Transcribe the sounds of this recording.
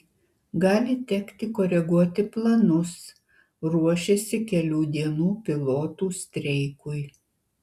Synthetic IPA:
ɡɑːlʲɪt̪ʲɛkt̪ʲɪkoːɾʲɛɡuɔt̪ʲɪplˠɐnʊs | ɾuɔʃʲɛsʲɪkʲɛlʲuːd̪ʲiɛnuːpʲɪlˠoːt̪uːsʲt̪ʲɾʲɛɪkʊj

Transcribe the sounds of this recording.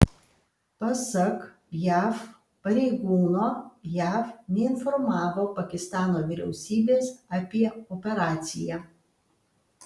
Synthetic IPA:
pɐsɐk | jæːf | pɐɾʲɛɪɡuːnoːjæːfnʲɛɪnfɔɾmɑːʋoːpɐkʲɪst̪ɑːnoːʋʲɪɾʲɛʊsʲiːbʲeːsɐpʲiɛɔːpʲɛɾɑːt̪sʲɪjæ

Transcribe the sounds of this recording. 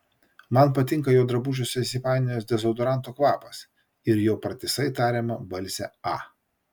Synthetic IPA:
mɐnpɐt̪ʲɪŋkɐjoːd̪ɾɐbʊʒʲosʲɛsʲɪpɑˑɪnʲɪjoːsd̪ʲɛzɔʊd̪ɔɾɑˑnˑt̪oːkʋɑːpɐs | ɪɾjoːpɾɐt̪ʲɪsɐɪt̪ɑːɾʲemɐbɐlʲsʲɛɑː

